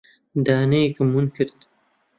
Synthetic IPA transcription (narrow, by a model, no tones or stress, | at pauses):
d̪aːnejkɐmunkʰɨɾt̪